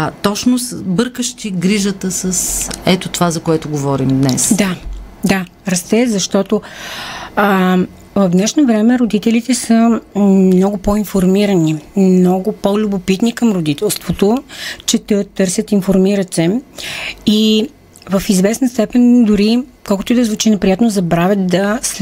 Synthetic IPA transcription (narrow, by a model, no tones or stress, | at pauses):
t̪ɔt͡ʃnosbɤɾkəʃt̪iɡɾiʒət̪əsəsɛt̪ot̪ovazɐkoɛt̪ʊɡovɔɾimd̪nɛ̰sd̪a | d̪a | ɾɐst̪ɛzɐʃt̪ɔt̪o | vɐvd̪nɛʃnovɾɛmɛɾod̪it̪ɛlit̪ɛsə | nɔɡʊpɔinfoɾmiɾənimnɔɡʊpɔlʲʊbopit̪nikɐmɾod̪it̪ɛlˠst̪vot̪ot͡ʃɛt̪ət̪ːɤɾsʲət̪infoɾmiɾət̪sɛ | i | vəfizvɛsnəst̪ɛpɛnd̪ʊɾikɔlˠkʊt̪ʊid̪ɐzvut͡ʃinɛpɾijat̪nozɐbɾavʲət̪̚d̪ɐs